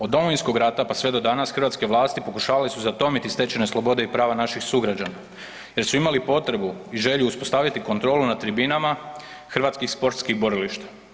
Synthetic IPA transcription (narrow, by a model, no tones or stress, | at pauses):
od̪dːo̞mo̞ʋinsko̞ɡɾat̪apasʋe̞d̪o̞d̪anasxr̩ʋat̪ske̞ʋlaːst̪ipo̞kuʃaːʋalisuzat̪o̞mit̪ist̪e̞t͡ɕeneslˠo̞bo̞d̪e̞ipɾaːʋanaʃixsuɡɾad͡ʑana | je̞ɾsuimalipo̞t̪ɾe̞buiʒeʎuuspo̞st̪aʋjat̪iko̞nt̪ɾo̞ːlunat̪ɾibinama | xrʋat̪skixspo̞ɾt̪skiɣbo̞ɾiliʃt̪ḁ